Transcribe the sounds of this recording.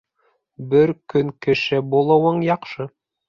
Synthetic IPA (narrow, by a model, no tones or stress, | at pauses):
bɘɾkɵŋkɘ̆ʃɘbulˠɤ̆wɤɴjɑqʃɤ